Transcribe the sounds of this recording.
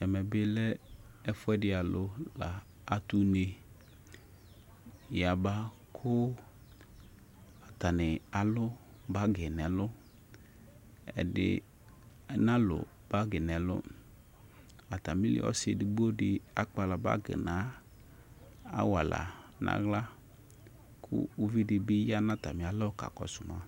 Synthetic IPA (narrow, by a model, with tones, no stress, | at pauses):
ɛ˨mɛ˨bɪ˦lɛ˦ | ɛ˦fʊ˦ɛ˦dɪ˦a˨lʊ˦la˨ | a˨t̪u˦ne˨ | ja˨ba˦ | kʰʊ˦ | a˨t̪a˨nɪ˨a˨lʊ˦ | ba˦ɡɪ˨nɛ̃˨lʊ˦ | ɛ̰˨dɪ̰˨ | ɛ˦nã˦lʊ̰˨ | b̥a˦ɡɪ˨nɛ˨lʊ̰˦ | a˨t̪a˨mĩ˦lɪ̰˨˦ɔ̰˦se˨dɪ˨ɡ͡bo˦dɪ˨a˦k͡pa˨la˨ba̰˦ɡɪ̰˨nã˨˦ | a̰˦wa˨la̰˨nʔã̰˦ɣla˦ | kʰʊ̰˦u˦vi˦dɪ˨bi˦ja˦nã˦t̪a˨mĩ˨a˨lɔ˦ka̰˨kɔ̰˨sʊ˨mã̰˦